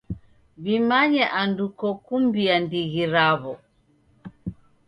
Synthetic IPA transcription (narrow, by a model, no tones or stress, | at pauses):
βimaɲɛʔandukɔkumbiandiɣiɾaβɔ